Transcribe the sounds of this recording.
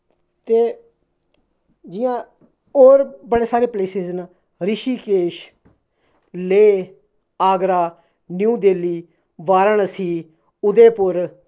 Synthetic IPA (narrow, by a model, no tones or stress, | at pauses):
t̪eː | d͡ʒɪjãː | oːɾbəɽeːsaːɾeːpleːsɪzna | ɾɪʃiːkeːʃ | leː | aːɡɾaː | njũːd̪eːliː | ʋaːɾəɳəsiː | ʊd̪eːpʊɾ